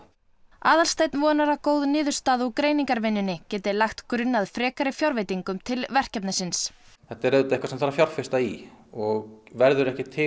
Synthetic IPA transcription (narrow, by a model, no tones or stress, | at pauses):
aːðalst̪ejt̪nvɔːnaɾakoːwðnɪːðʏ̥st̪aːðukɾeːjniŋkaɾvɪnːʏnːɪcɛːt̪ɪlajxt̪kɾʏnːaðfɾɛːkaɾɪfjawɾvejt̪iŋkʏmt̪ʰɪlvɛr̥cɛpnasɪns | θɛht̪aɾœt̪aɛhkvasɛmθaɾafjawɾ̥fɪ̥st̪aiɔɣvɛɾðʏɾɛhcɪt̪ʰɪ